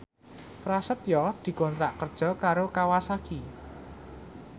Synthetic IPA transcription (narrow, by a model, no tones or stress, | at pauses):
pɾasət̪jɔd̪̥i̤kɔnt̪ɾaʔkərd̥ʒ̥ɔ̤kaɾokawasaki